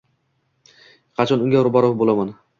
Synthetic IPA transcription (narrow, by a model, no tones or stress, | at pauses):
qʰɑt͡ʃʰɒnʊŋʲɡʲaʊɾbɒɾopbolaman